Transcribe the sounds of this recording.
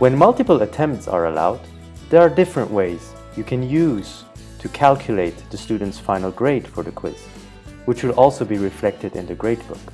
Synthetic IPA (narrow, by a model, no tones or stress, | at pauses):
wɨ̃nmʌlˠtɨpl̩ˠətʰɛ̃mp̚tsə̰ɹə̰la̰ʊd̚ | ðə˞ːdɪfɹə̃nʔweɪz̥ | jɨkʰɨ̃njʉz̥ | tʰɨkʰælˠkʰjɨleɪt̪̚ðɨstʉd̃ⁿn̩tsfãɪ̃nl̩ˠɡɹeɪd̥fə˞ðɨkʰw̥ɪ̰z̥ | wɨt͡ʃwɨlɔlˠsoʊbiɹɨflɛk̚tɨɾɪ̰̃nðɨɡɹeɪt̚b̥ʊ̰k